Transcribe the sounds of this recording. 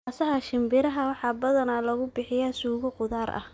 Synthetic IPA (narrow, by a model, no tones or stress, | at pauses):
asɐɦɐʃɪmbɪɾɐɦɐwɑħɑːbɐðɐnɐlɐɣʊbɪħɪjɐsuːɣɐqʊðaːɾʔɐ̰h